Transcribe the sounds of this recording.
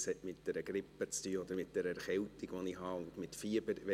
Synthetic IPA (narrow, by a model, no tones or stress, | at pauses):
shɛtmɪt̚d̥ɛɾəɡɾɪpːət͡styːɔd̪əɾmɪt̚d̥ɛɾəχɛltiɡʋonɪhɑʊndmɪtfiəbəɾʋɛ